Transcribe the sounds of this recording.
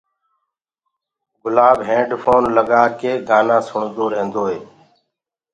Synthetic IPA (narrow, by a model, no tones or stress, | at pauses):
ɡʊlaːbɦẽːɖfʰoːnləɠaːkeːɡaːnãːsʊɳd̪oːɾẽːnd̪oːɦeː